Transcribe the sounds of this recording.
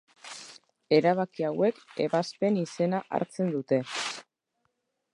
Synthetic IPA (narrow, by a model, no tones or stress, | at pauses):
e̞ɾaβ̞akiawe̞ke̞βaspe̞nise̞naʔa̰ɾt͡se̞nd̪ut̪e̞